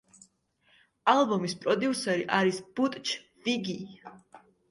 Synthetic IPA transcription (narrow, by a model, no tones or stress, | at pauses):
alˠbɔmispʼɾɔd̪iusɛɾiʔaɾisb̥ut̪ʼt͡ʃʰ | viɡi